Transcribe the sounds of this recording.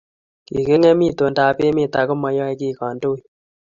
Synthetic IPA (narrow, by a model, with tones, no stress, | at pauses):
kḭ˨ke˦ŋɛ˦mi˦to˨nda˨pe˦me˦˨ta˨ko˦ma˦jɔ˦i˦ki˦kɑ˨ndo˦j